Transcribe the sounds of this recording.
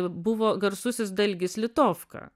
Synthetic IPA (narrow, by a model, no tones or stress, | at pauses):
bʊʋoːɡɐɾsʊsʲɪsd̪ɐlʲɡʲɪslʲɪt̪oːfkɐ̰ː